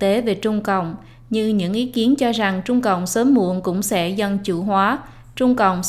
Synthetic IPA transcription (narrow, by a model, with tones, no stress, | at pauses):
t̪e˨˦ve˨˩t͡ɕʊ˧ŋ͡mkə̰˧˨wŋ͡m | ɲɨ˧ɲɨ̰˧˥ŋʔi˨˦ki˨˦ənt͡ɕɔ˧za˨˩ŋt͡ɕʊ˧ŋ͡mkə̰˧˨wŋ͡msəː˨˦mːṵ˧˨ənkʊ̰˧˥ŋ͡msɛ̰˧˥zə˧nt͡ɕṵ˧˩ɦwaː˨˦ | t͡ɕʊ˧ŋ͡mkə̰˧˨wŋ͡m